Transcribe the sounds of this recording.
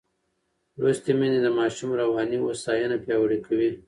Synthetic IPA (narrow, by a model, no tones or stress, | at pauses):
ɾust̪emened̪əmɑːʃumɾawɑːnio̰sɑjənapjɑwɽikawi